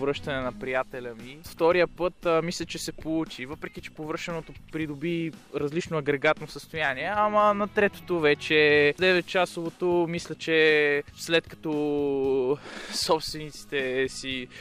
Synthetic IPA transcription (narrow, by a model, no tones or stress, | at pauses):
vɾəʃt̪ɐnɛnɐpɾijat̪ɛlʲɐmift̪ɔɾijəpɤt̪mislʲɛt͡ʃɛsɛpout͡ʃivɤpɾɛk̟it͡ʃɛ̥povɾɤʃɛnot̪opɾid̪obiɾɐzlit͡ʃnoɐɡɾɛɡat̪nosəst̪ojaniɛɐmɐnɐt̪ɾɛt̪o̥t̪ovɛt͡ʃɛd̪ɛvɛt̪̚t͡ʃasovot̪omislʲɐt͡ʃɛslɛt̪kɐ̥t̪ɔ | sɔpst̪vɛnit̪si̥t̪ɛsi